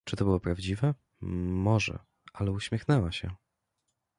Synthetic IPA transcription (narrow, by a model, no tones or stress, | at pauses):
t͡ʂɨt̪ɔbɘwɔpɾavd͡ʑivɛ | mɔʐɛ̰ | ʔalɛuɕmʲjɛxnɛwaɕɛ